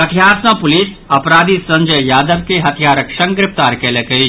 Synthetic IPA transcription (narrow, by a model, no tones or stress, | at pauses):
ɐt̪ʰijaːɾsãpʊliːs | ɐpɾaːd̪ʱisɐ̃ɲd͡ʒəjjaːd̪əʋkeɦɐt̪ʰjaːɾəkʃɐ̃ŋɡɾɪpt̪aːɾkelekəi